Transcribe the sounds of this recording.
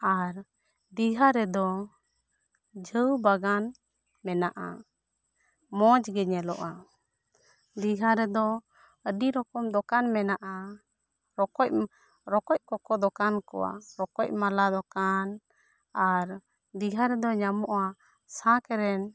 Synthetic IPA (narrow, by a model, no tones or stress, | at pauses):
aɾ | d̪iɡʱaɾɛd̪ɔ | d͡ʒʱəwbaɡan | mɛnaʔa̰ | mɔ̃d͡ʒɡɛɲɛlɔʔa | d̪iɡʱaɾɛd̪ɔ | əɖiɾɔkɔmd̪ɔkanmɛnaʔa | ɾɔkɔc̚ | ɾɔkɔc̚kɔkɔd̪ɔkankɔ̰wa̰ɾɔkɔc̚malad̪ɔkan | aɾ | d̪iɡʱaɾɛd̪ɔɲamɔʔa | sãkɛɾɛn